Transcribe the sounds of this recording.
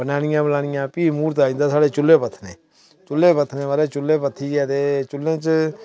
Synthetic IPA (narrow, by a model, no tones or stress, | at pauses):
bənaːɽ̃ɪjãːbənaːɽ̃ɪjãːpiːmuːɾt̪aːĩːnd̪aːsaːɽeːt͡ʃʊleːpət̪ʰneː | t͡ʃʊlːeːpət̪ʰnẽːʋaːɾeːt͡ʃʊleːpət̪ʰːiːɛːt̪eːt͡ʃʊlːẽːt͡ʃ